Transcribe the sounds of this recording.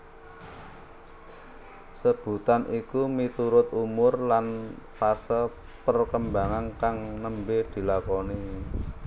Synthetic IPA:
səb̥ṳt̪anʔikumit̪uɾʊt̪umʊrlanpasə | pərkəmbaŋankaŋnəmbed̪̥i̤lakɔni

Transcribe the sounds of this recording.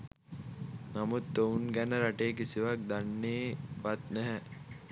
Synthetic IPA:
namut̪ːounɡænəɾaʈeːk̬isiʋak̚d̪anːeːʋat̪næɦɛ

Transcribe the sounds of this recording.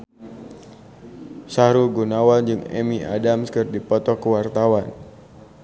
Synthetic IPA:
saɾuɡunawand͡ʒɨŋɛ̰miʔa̰damskɨrdipɔt̪ɔkəwart̪awan

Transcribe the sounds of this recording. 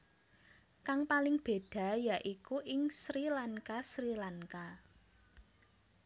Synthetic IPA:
kaŋpalɪŋb̥e̤d̪̥ä̤jaʔikuʔɪŋsɾilaŋkasɾilaŋka

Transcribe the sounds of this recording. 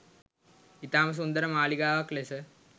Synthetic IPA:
it̪aːmɐs̬und̪ɐɾɐmaːliɡaːʋɐklesɐ

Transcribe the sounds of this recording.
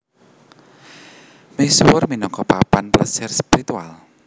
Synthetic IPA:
mesuwʊrminɔkɔpapanplə̰sɪrspiɾit̪ua̰l

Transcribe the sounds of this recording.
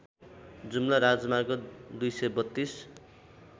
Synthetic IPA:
d͡zumlʌɾad͡zmarɡod̪ujsʌjbʌt̪ːis

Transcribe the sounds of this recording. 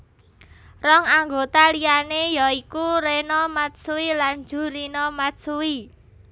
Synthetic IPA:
rɔŋaŋɡot̪alijanejɔikuɾenɔmat̪̚suilan̥d͡ʒ̥ṳɾinɔmat̪suwi

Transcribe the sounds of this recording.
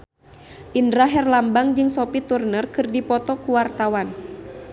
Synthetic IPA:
ʔindɾaɦɛrlambaŋd͡ʒɨŋsopit̪urnərkɨrdipɔt̪ɔkuwart̪awan

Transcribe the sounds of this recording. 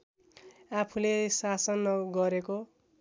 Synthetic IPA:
apʰulesasʌnʌɡʌɾeko

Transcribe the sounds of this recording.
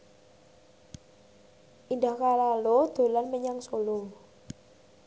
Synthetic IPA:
ʔindahkalalod̪̥o̤lanməɲaŋsolo

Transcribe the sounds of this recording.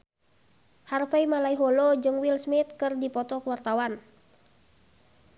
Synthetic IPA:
harfaimalaiɦɔlɔd͡ʒɨŋwilsmit̪̚kɨrdipɔt̪ɔkəwart̪awan

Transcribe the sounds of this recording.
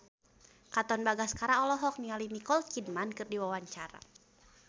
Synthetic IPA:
kat̪ɔnbaɡaskaɾaɔlɔɦɔk̚nialinikɔlkidmankɨrdiwawaɲt͡ʃaɾa̰

